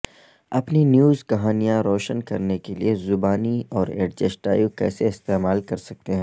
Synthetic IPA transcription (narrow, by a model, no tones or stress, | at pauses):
ɐpninjuːzkɐɦaːnijãɾɔːʃənkɐɾnekeliezʊbaːniɔːɾḛːɖ̚d͡ʒesʈaːjukɛ̰ːseɪst̪eːmaːlkɐɾsɐk̚t̪eɦɛ̃ː